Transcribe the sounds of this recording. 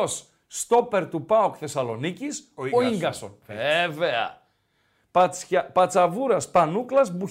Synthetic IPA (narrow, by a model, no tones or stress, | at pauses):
osː | t̪o̞pe̞ɾt̪upɐokθe̞sɐlo̞nicisoiŋɡɐso̞̰neve̞ɐ̰ | ppɐt͡sɐvuɾɐspɐnuklɐzbu